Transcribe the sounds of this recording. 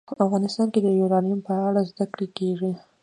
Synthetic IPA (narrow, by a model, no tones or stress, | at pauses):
afɣɑnɪst̪ɑnked̪əjuɾɑnijʊmpəaɽazd̪akɽekeʐi